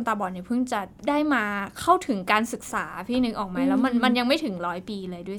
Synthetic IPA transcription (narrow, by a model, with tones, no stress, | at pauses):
nt̪aː˧bɔː˨˩ni˧˥˩pʰɯ˥˩ŋt͡ɕa˨˩daː˥˩jmaː˧kʰa˥˩wt̪ʰɯ˨˩˦ŋkaː˧nsɯ˨˩k̚saː˩˦˧pʰiː˥˩nɯ˧˩ŋʔɔː˨˩k̚maː˨˧˥lɛː˦˥wma˧nma˧nja˧ŋma˥˩jt̪ʰɯ˩˦ŋɾɔː˦˥jpiː˧lɤː˧jdu˥˩ə